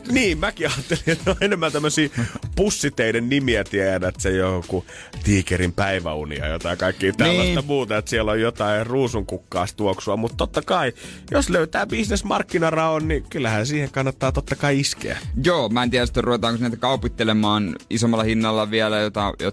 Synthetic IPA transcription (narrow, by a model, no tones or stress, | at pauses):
niːmmækiɑːt̪ːelinet̪oenemːænt̪æmːøsiːpusːit̪einennimiæt̪iæjæɾæet̪sejoku | t̪iːkeɾimpæiʋæ̰ṵnḭɑ̰jo̰t̪ɑikɑikːiːt̪ænilːæst̪ɑmuːt̪ɑet̪siɛlojjot̪ɑiruːsuŋkukːɑːst̪uoksuɑmut̪t̪ot̪ːɑkɑi | josløyt̪æːbisnesmɑrkːinɑrɑonnikylːæhænsiːheŋkɑnːɑt̪ːɑːt̪ot̪ːɑkɑiiskḛæ̰joːmæˑeniæɾæsi̥t̪ːæruʋet̪ɑːŋkosnːæt̪kɑupit̪ːelemɑːnisomːɑlːˑɑhinːɑlːɑʋiælæjot̪ɑjo̰